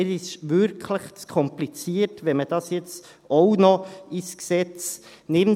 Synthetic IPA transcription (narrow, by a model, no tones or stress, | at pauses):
ɛɾɪʃʋʏɾkʰləχtkʰɔmplit͡siːtʋɛnmədɑsjɛt͡st̪ | oʊnoisksɛtt͡s | neːn